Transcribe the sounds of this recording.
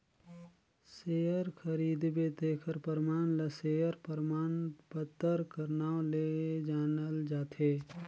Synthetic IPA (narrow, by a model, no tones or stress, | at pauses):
sejəɾkʰəɾiːd̪bet̪eːkʰəɾpəɾmaːnlɐseːəɾpəɾmaːnbət̪ːəɾkəɾnaːled͡ʒaːnəld͡ʒaːt̪eː